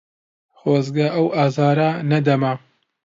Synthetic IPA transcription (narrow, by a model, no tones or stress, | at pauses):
xoːzɡɐʔɐwaːzaːɾanɐd̪ɐmɐ